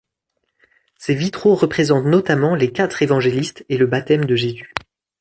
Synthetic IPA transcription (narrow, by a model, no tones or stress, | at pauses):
sevit̪χoʁəpχezɑ̃t̪nɔt̪amɑ̃lekʲat̪χevɑ̃ʒelist̪eləbat̪ɛmd̪əʒezy